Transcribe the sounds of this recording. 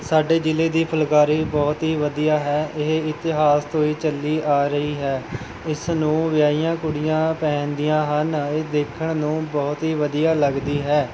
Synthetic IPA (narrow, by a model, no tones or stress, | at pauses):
saːɖeːd͡ʒɪleːd̪iːpʰəlkaːɾiːbɔːt̪ɦiːʋəd̪ijaːɦɛːɪɦɪt̪ɪɦaːst̪oːiːt͡ʃəlːiːʔaːɾəiːɦɛː | ɪsnũːʋɪjaːijãːkʊɽɪjãːpɛːnd̪ijãːɦəneːd̪eːkʰəɳnũːbɔːt̪ɦiːʋəd̪ijaːləɡd̪iːɦɛː